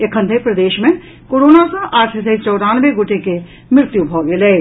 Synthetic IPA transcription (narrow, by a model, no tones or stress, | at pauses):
ekʰə̃nd̪ʱepɾɐd̪eːʃmẽ | koːɾoːnasɔ̃ʔaːʈʰɦəset͡ʃɔːɾaːnʋeɡʊʈeke | mɾɪt̪jubʱɔːɡeleː